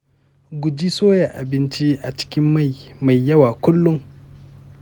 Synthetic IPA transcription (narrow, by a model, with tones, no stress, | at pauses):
ɡʷʊ˨d͡ʒiː˦soː˦ja˨ʔa˨bɪ˦nt͡ʃi˦ʔa˨t͡ʃɪ̥˦kʲɪ˦mːa˦˨jma˨jːɐ˦waː˨kʷʊ˦lːʊ˦ŋ